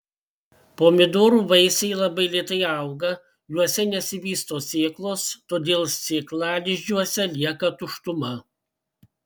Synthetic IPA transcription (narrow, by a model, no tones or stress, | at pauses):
poːmʲɪd̪oːɾuːʋɐɪsʲɛɪlˠɐbɐɪlʲiɛt̪ɐɪɐˑʊɡɐ | juɔsʲɛnʲɛsʲɪʋʲiːst̪oːsʲeːklˠoːst̪oːd̪ʲeːlˠsʲeːklˠɑːlʲɪʒʲd͡ʒʲuɔsʲɛlʲiɛkɐt̪ʊʃt̪ʊmɐ